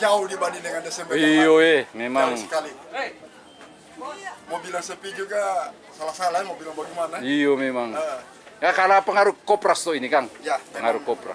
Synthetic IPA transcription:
d͡ʒaudibanindəŋandɛsɛmbəioɛmemaŋsəkali | mobilaŋsəpid͡ʒuɡa | salahsalamobilaŋbaɡimanaiomemaŋ | jakanapəŋaɾukopɾast̪ɔinikaŋjapəŋaɾukopɾa̰s

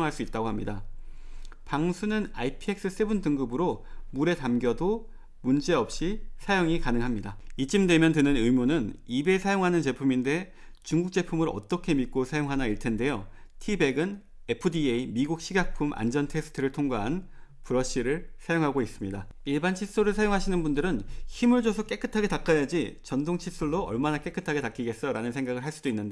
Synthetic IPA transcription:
ŋɦaɭs͈uit̚t͈aɡohamɲida | paŋsʰunɯna̰ipʰie̞k̚s͈ɯs͈ebɯntɯŋɡɯbɯɾomuɾe̞tamɡjʌdo | mund͡ʑe̞ʌp̚ɕ͈isʰajoŋikanɯŋɦamɲidait͡ɕ͈imdwe̞mjʌntɯnɯnɯjmonɯnibe̞sʰajoŋɦanɯnt͡ɕe̞pʰuminde̞ | t͡ɕuŋɡuk̚t͡ɕ͈e̞pʰumɯɾʌ̰t͈ʌkʰe̞mitk̚k͈osʰajoŋɦanaiɭtʰe̞nde̞jotʰibe̞ɡɯn | e̞pʰɯdieimiɡuk̚ɕ͈ʰiɡak̚pʰumʔa̰nd͡ʑʌntʰe̞s͈ʰɯ̥tʰɯɾɯɭtʰoŋɡaɦan | puɾʌɕ͈iɾɯɭsʰajoŋɦaɡois͈ɯmɲidaiɭbant͡ɕʰis͈oɾɯɭsʰajoŋɦaɕʰinɯnbundɯɾɯnçimɯɭd͡ʑosʰok͈e̞k͈ɯtʰaɡe̞tak͈ajad͡ʑit͡ɕʌndoŋt͡ɕʰis͈uɭːoʌ̰ɭmanak͈e̞k͈ɯtʰaɡe̞tak͈iɡe̞s͈ʌɾanɯnsʰe̞ŋɡaɡɯɭɦaɭs͈udoinːɯnde

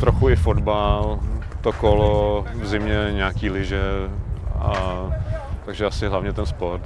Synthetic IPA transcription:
t̪ɾoxuɪfod̪balt̪okolovzɪmɲɛɲaːkiːlɪʒɛ | a | t̪aɡʒɛasɪɦlavɲɛt̪ɛnspoɾt̪

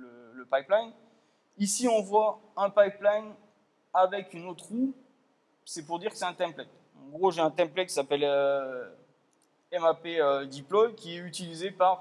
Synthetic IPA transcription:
lələpajplaj | isiɔ̃vwaɛ̃pajplaɲ | avɛkʲynot̪χu | sɛpuʁd̪iʁkə̥sɛɛ̃t̪ɛ̃plɛt | ɑ̃ɡʁoʒeɛ̃t̪ɛ̃mplɛkʲi̥sapɛlø | ɛmapeød̪iplɔjkʲiɛyt̪ilizepaʁ

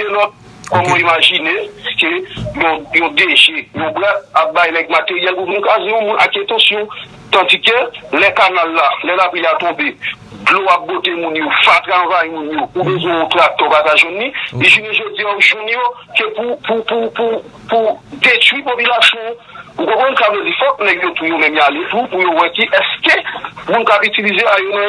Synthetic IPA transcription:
elɔt̚ | kɔmɔ̃imaʒinekejɔ̃jɔ̃deʒɛjɔ̃bɛtap̚bajlɛk̚mateʁijɛlpumũnkazeɔ̃mũnʔa̰ketɔ̃sjɔ̃ | t̪ãtikelɛkanalːalɛlapɛlat̪ɔ̃be | ɡloap̚ɡotemũnjofat̪ɣãvajmũnjoubezwɛ̃õtak̚t̪ɔbataʒɛ̃nːĩiʒunĩʒod͡ziauʒunjo | kepupupupu | pud̪etwipopylasjɔ̃ | ukõkɔ̃nkabezifɔt̚mɛɡjot̪ujomɛ̃mjaletupujowɛkiʔɛskemũnkapytilizeajonɛ̃

